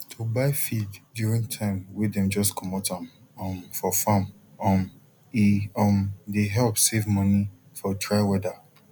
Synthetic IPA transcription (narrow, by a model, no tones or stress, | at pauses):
tʰobaɪfiddjuɹĩŋtʰãɪ̃mwidɛ̃md͡ʒɔskʰɔmɔtãm | ɔmfɔfãm | ɔm | iɔmdeɦɛlpsevmɔ̃ni | fɔtʰɹaɪwɛda